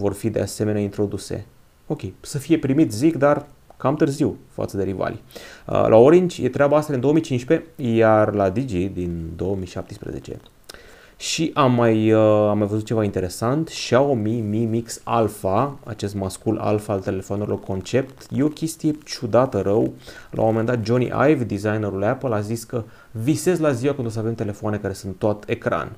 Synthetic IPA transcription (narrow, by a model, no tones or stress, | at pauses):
vo̞rfid̪e̞ase̞me̞neaint̪ɾo̞d̪use̞̰ | o̞kʲe̞jsəfije̞pɾimit̪zikd̪ar | kamt̪ɨrziwfa̰t̪səd̪e̞ɾiva̰lə̰lʔa̰oɾint͡ʃʲjet̪ɾeabaast̪ad̪ind̪oəmit͡ʃinʃpe̞jarlad̪id͡ʒid̪ind̪o̞wəmiʃap̚t̪ispɾḛze̞̰t͡ʃe̞̰ | ʃiʔamːajamːajvəzut̪̚t͡ʃe̞vaint̪e̞ɾe̞sant̪ʃiaomimimiksalfaa̰t͡ʃe̞st̪maskulʔa̰lfaːlt̪e̞le̞foanuɾilo̞rkʰo̞nt͡ʃe̞p̚t̪je̞o̞kʲe̞st̪ije̞t͡ʃud̪at̪əɾəwlʔa̰w̰momend̪at̪̚d͡ʒo̞nḭʔa̰jvd̪izajneɾulapəlaziskə | vise̞zlaziwakɨnd̪os̬ave̞mt̪e̞le̞foane̞kaɾe̞sɨnt̪ːoat̪ekɾa̰n